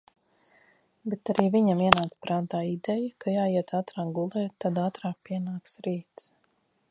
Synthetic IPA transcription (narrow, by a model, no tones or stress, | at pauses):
bet̪aɾiːviɲamiɛnaːt̪spɾaːnt̪aːid̪ɛjakajaːjiɛt̪at̪ɾaːkɡulˠɛːt̪ːad̪aːt̪ɾaːk̚piɛnaːksɾiːt̪s